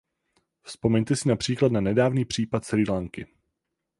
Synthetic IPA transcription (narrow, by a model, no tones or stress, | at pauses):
fspo̞mɛɲt̪ɛsɪnapr̥iːklat̪nanɛdaːvniːpr̝̥iːpat̪̚t͡sɛliːlaŋkɪ